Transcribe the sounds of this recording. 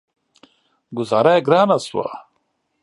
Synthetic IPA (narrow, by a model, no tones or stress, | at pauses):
ɡuzaɾaeɡɾaːnɐswa̰